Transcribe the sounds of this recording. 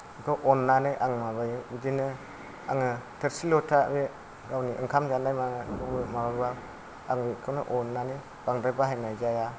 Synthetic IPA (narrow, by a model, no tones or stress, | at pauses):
kʰɔʔɔnːanɯjʔaŋmabajɯbidinɯ | aŋɯtʰɯɾsilɔtʰa̰be | ɡawniʔɯŋkʰamd͡ʒanajmakɯbɯmabaɡba | aŋbikʰɯnɯʔɔnːanɯ | b̥aŋdabaɦajnajzaja